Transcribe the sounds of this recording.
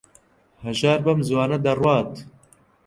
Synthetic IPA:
hɐʒaːɾbɐmzwɑːnɐd̪ɐrwɑːt̪

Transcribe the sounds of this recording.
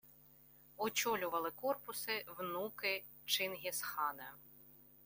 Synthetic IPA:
ɔt͡ʃɔlʲʊʋɐlˠɪkɔrpʊsɪwnukɪ | t͡ʃɪnɦʲisxɑnɐ

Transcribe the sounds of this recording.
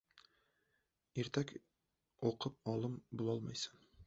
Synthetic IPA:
iɾt̪æk | uqɤp̚ɒlˠɤmbulˠɒlˠmɤjsɤ̥

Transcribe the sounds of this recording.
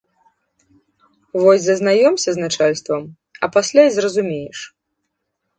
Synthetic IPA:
vɔzʲzɐznajɔmsʲɐznat͡ʂalʲst̪vɐm | ɐ̰pasʲlʲajzrɐzumʲɛjɛʂ

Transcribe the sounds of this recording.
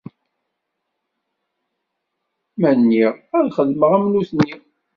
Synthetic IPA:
mænːiʁæðχəðməʁæmnuθnːi

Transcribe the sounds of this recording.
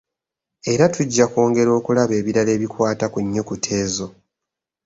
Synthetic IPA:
e̞ɾatuɟːako̞ːŋɡe̞ɾo̞ːkulaβe̞ːβiɾale̞ːβikwaːtakuɲːo̞kutʰe̞ːzo̞

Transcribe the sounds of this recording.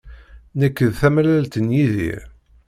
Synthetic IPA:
nəkːəðθæmlælt̪ənjiðḭɾ

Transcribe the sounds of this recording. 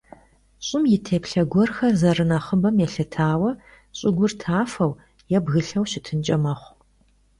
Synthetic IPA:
ɕʼɪmjɪtʰeːpɬɐɡʷɔrxɐrzɐrɨnɐχəbɐmjɛɬɐtʰaːwɐ | ɕʼɪɡʷʊrtʰaːfɐw | jɛbɣɨɬɐwɕɪtʰɨnt͡ʃʼɐmɐχʷ

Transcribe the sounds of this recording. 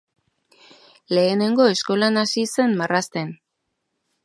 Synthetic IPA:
le̞ːne̞ŋɡo̞e̞sko̞lanasise̞nmarast̪e̞n

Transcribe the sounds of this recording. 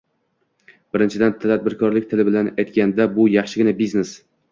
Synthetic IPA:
b̥ɪɾɪnt͡ʃʰɪd̪ant̪ʰad̪̚bɪɾkʰɒɾlɪk̚ʲt̪ʰɪlɪbɪlanajt̪kʲand̪abʊjɑχʃɪɡʲɪnabiznes

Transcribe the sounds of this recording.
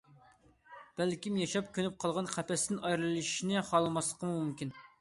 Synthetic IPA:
b̥ælkʲimjɑʃɑp̚kʲʰønyp̚qʰɑlˠʁɑnχæpʰɛsd̪ɪnɑjɾɨlˠlɨʃi̥ʃinɪχɑlˠɨmɑslˠəqʰəmumumkʲin

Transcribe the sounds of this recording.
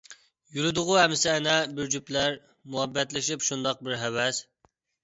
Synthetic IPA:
juɾud̪ʊʁʊhɛmːɪsɪɛnɛbɪɾd͡ʒyplæɾ | muɦɛbːɛt̪lɪʃipʃund̪ɑq̚bɪɾɦɛwɛs

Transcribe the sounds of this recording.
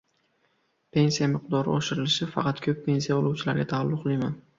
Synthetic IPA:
pʰe̞nsijamɪqd̪ɒɾɪ̰oʃɪɾɪlɪʃɪfɑ̰qɑt̪kʲʰɵpʰːe̞nsijaolˠuwt͡ʃʰɪlaɾɡʲat̪ʰaːlːʊqlˠɪjman

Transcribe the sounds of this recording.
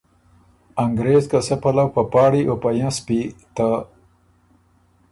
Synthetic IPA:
aŋɡɾezkasapalawpapɑːɽiʔopajãspit̪a

